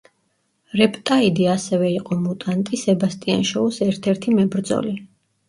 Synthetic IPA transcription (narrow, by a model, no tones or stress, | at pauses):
ɾɛpʼt̪ʼaid̪iasɛvɛiqʼɔmut̪ʼant̪ʼisɛbast̪ʼia̰nʃɔusɛɾt̪ʰɛɾt̪ʰimɛbɾd̪zɔ̰li